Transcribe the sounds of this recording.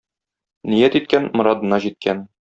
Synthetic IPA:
nijæt̪it̪̚kænmŏɾɑd̪ɤ̆nɑʑit̪̚kʰæn

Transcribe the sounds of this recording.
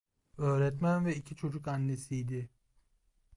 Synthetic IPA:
ø̞ːɾɛt̪mænvɛicʰit͡ʃʰo̞d͡ʒukanːe̞sijd̪ɪ

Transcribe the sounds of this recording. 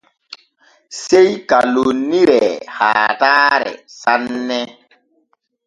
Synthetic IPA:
sejkalonːiɾɛha̰ːtaɾɛ̰sanːɛ

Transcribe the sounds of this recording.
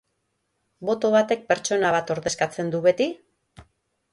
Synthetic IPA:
bo̞t̪o̞β̞at̪e̞k̚pe̞ɾt͡ʃo̞naβat̪o̞ɾðe̞skat͡se̞nd̪uβe̞t̪i

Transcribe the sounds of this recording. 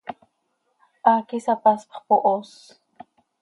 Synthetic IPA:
ʔakisapaspχpoʔos

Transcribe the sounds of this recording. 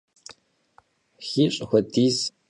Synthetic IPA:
xiɕʷʼxʷɔdiːz

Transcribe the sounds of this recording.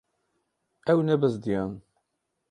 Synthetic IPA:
æwənæbæzd̪jæn

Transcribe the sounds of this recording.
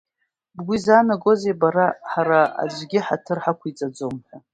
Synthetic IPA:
bɡʷizaːnaɡʼo̞zebaɾaħaɾaa̰d͡ʒʷɡʲɪħatʰɨrħakʷit͡sʼad͡zomħʷa

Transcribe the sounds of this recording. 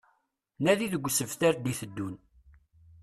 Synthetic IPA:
næðiðəɡʷsəvθæɾd̪iθəd̪ːun

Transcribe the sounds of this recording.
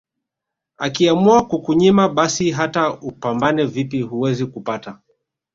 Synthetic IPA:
akiamuakukuɲimaɓasiɦataupambanɛvipihuwɛzikupata

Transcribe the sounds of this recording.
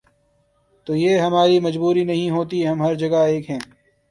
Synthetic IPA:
t̪oːjeːɦɐmaːɾimɐd͡ʒbuːɾinɐɦĩɦoːt̪iɦɐmɦɐɾd͡ʒɐɡaeːkɦɛ̃ː

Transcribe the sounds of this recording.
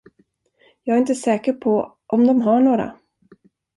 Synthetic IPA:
jɑːɡɾɪnt̪əsɛːkəɾpʰɔ | ʔɔmd̪ɔmɦaɳoːɾa̰

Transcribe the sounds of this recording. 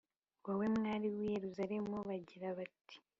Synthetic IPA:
wawemŋaːɾiwije̞ɾuzaɾe̞muβaɟiɾaβati̥

